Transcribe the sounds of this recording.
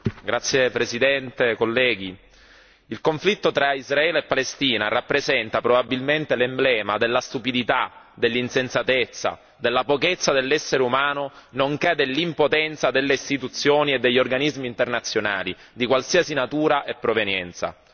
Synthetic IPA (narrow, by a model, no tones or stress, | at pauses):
ɡɾat̪sːjepɾesid̪ɛnt̪ekolːɛːɡi | ilkoɱflit̪ːot̪ɾaizraɛːleepːalest̪iːna̰rapːɾezɛnt̪apɾobabːilment̪elemblɛːmad̪elːast̪upid̪it̪a | d̪elːinsensat̪et̪sːa̰ | d̪elːapoket̪sːad̪elːɛsːeɾeumaːnonoŋkɛd̪elːimpot̪ɛnt̪sad̪elːeist̪it̪ut̪sːjoːnied̪ːeʎːorɡanizmiːnt̪ernat̪sːjona̰ːli | d̪ikwalsiːasinat̪uːɾaʔepːɾovenjɛ̰nt̪sa̰